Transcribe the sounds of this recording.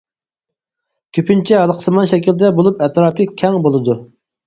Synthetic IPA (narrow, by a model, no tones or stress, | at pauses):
kʲʰypʰynt͡ʃʰɛɦɑlˠəqʰə̥sɨmɑnʃɛkʲild̪ɛbolˠupɛt̪ɾɑːpʰɨkʲʰɛŋbolˠɨd̪u